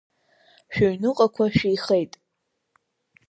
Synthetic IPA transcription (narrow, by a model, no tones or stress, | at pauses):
ʃᶣoɥnɨqʼakʷʰaʃᶣijχejtʼ